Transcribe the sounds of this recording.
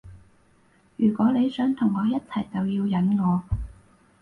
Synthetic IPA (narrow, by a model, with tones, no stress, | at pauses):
jyː˨˩kʷwɔː˨˥le˨˧jsœː˨˥ŋt̪ʰʊ˨˩ŋːɔː˨˧jɐ˥t̚t͡sʰɐ˨˩jt͡sɐ˨wjiː˧wjɐ˨˥nŋɔː˨˧